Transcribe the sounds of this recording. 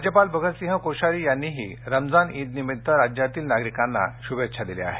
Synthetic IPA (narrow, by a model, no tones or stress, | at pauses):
d͡ʑjəpalbəɡʱət̪sĩɦãkoɕaɾiːjanːiɦḭːɾəmd͡zaniːd̪nimit̪t̪əɾad͡ʑjat̪iːlnaɡɾikãnːa̰ɕubet̪ːɕʰad̪ilḛa̰ɦe